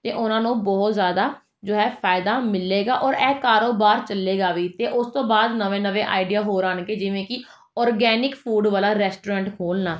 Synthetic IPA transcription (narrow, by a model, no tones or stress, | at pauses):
t̪eːʔʊnãːnũːbɔːt̪zjaːd̪aː | d͡ʒoːɛːpʰaːɪd̪aːmɪlːeːɡaːʔɔːɾɛːkaːɾoːbaːɾt͡ʃəlːeːɡaːʋiːt̪eːʔʊst̪õːbaːd̪nəʋẽːnəʋẽːʔa̰ːɪɖijaːɦoːɾãːnɡeːd͡ʒɪʋẽːkɪ | ɔːɾɡɛːnɪkpʰuːɖʋaːlaːɾɛːsʈoːɾãːɳʈkʰoːlnaː